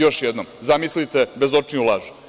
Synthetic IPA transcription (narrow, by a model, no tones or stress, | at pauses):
jo̞ʃjed̪nomzamislit̪e̞bezo̞t͡ʂniulˠaːʒu̥